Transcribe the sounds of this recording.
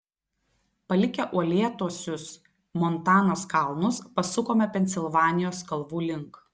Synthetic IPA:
pɐlʲɪkʲɛʔuɔlʲeːt̪uɔsʲʊs | mɔnt̪ɑːnoːskɐˑlˠnʊspɐsʊkoːmʲɛpʲɛnʲsʲɪlˠʋɑːnʲɪjoːskɐlˠʋuːlʲɪŋk

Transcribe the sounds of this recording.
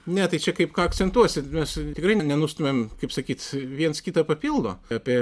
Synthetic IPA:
nʲɛt̪ɐɪt͡ʃʲɛkɐɪpkɑːɐkt͡ssʲɛnt̪uɔsʲɪmʲɛst̪ʲɪkɾɐɪnʲnʲɛnust̪ʊmʲeːmkɐɪpsɐkʲiːt̪ʋʲiɛnskʲiːt̪ɐpɐpʲilˠd̪oːɑːpʲiɛ

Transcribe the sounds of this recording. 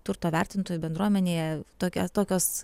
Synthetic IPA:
t̪ʊɾt̪oːʋʲɛrʲt̪ʲɪnt̪oːjubʲɛnd̪ɾuɔmʲɛnʲeːjɛt̪oːkʲɛt̪oːkʲoːs

